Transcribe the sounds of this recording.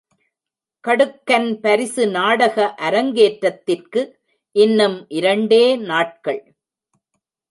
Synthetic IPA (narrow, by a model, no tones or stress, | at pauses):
kɐɽɯkːɐnpɐɾɪsɯnaːɽɐɣɐʔɐɾɐŋɡeːʈɾɐt̪ːɪrkɯ | ʔɪnːɯmʔɪɾɐɳɖeːnaːʈ̚kɐɭ